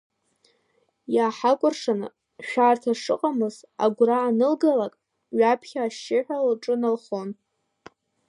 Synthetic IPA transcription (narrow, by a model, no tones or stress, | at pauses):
jaːħakʷʼʊrʂan̰ | ʃᶣaːrtʰaʂɨqʼamɨz | a̰ɡʷraːnɨlɡalakʼ | ɥapʰχʲaːʃɪħᶣʷalʈ͡ʂʼɨnalχo̞n